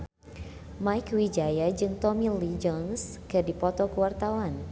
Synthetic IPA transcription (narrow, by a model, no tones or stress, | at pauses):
majkwid͡ʒajad͡ʒɨŋt̪ɔmilid͡ʒɔnskɨdipɔt̪ɔkəwart̪awan